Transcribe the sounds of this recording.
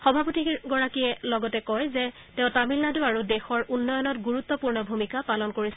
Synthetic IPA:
xɔbʱapotiɡɔɹakijɛlɔɡɔtɛkɔjzɛ | tẽʊ̃tamilnaduaɹudɛxɔɹʔunːɔjɔnɔtɡuɹut̪ːɔpuɹnɔbʱumikapalɔnkoɹis

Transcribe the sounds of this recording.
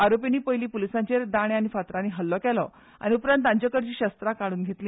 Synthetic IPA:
aɾopiniːpəjliːpulisaɲt͡ɕeɾd̪aɽ̃eañifat̪ɾaniɦəlːɔkɛlɔ | a̰niupɾənt̪ãɲt͡ɕakəɽt͡ɕiːɕəst̪ɾakaɽ̃uːnɡʱet̪liː

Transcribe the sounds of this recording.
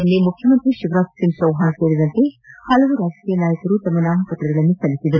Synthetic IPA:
nːimukʰjɐmɐnt̪ɾiʃiʋɾaːsiŋsɐwɦaːnɐteːɾid̪ɐnt̪eːhɐlɐɡuɾaːd͡ʒɐkiːjɐnaːjɐkuɾut̪ɐmɐnaːmɐpɐt̪ɾɐɽɐlɐnːikɐlisind̪ɐɾ

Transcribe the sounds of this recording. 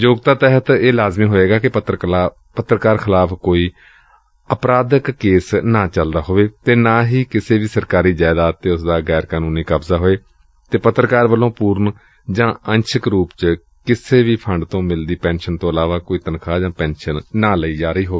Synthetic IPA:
d͡ʒoːɡt̪aːt̪ɛːɦət̪eːlaːzmĩːɦoːeːɡaːkɪət̪ɾ | pət̪ːɾəkaːɾxʰɪlaːpʰkoːiː | əpɾaːd̪əkːeːsnaːt͡ʃəld̪aːɦoːʋeːt̪eːnaːɦiːkɪseːʋiːsəɾkaːɾiːd͡ʒaːd̪aːt̪eːʊsd̪aːɡɛːɾkaːnuːniːkəbzaːɦoːeː | t̪eːpət̪ːɾəkaːɾʋəlːõːpuːɾn | d͡ʒãːə̃nʃʰəkɾuːpt͡ʃ | kɪseːʋiːpʰəɳɖt̪õːmɪld̪iːpɛ̃ːnʃənt̪õːəlaːʋaːkoːiːt̪ənkʰaːd͡ʒãːpɛ̃ːnʃənːaːləiːd͡ʒaːɾəiːɦoːeː

